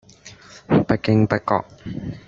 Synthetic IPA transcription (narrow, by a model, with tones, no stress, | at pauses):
pɐ˦˥kɪ˧ŋpɐ˥t̚kɔ̰ː˨k̚